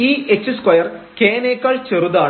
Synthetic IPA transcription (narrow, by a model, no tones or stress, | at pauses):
iːʔet͡ɕːɨskwɐjɐrkeːneːkːɐɭt͡ɕeruðaː